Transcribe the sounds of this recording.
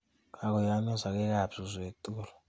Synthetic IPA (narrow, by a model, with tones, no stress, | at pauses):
ka˨k̬ɔ˨ja˨˦nɔ˦za˨k̬ɛ˦k̬a˦˨b̥z̥u˨ze˨tʼuːlɔ